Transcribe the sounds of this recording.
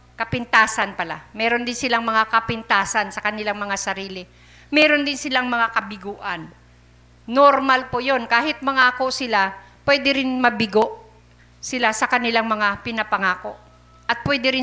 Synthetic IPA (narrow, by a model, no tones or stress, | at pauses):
kɐpɪnt̪aːsɐnpɐla̰mɛːɾo̞nd̪ɪnsɪlaŋmɐŋakɐpɪnt̪aːsɐnsɐkɐnɪlaŋmɐŋasɐɾiːlɪ | mɛːɾo̞nd̪ɪnsɪlaŋmɐŋakɐbɪɡuːʔɐnː | oɾmɐlpojo̞nkaːɦɪt̪̚mɐŋaːko̞sɪlapwɛːd̪ɛɾɪnmɐbɪɡo̞ʔ | sɪlasɐkɐnɪlaŋmɐŋapɪnɐpɐŋaːko̞ʔ | ʔɐt̪̚pwɛːd̪ɛɾɪ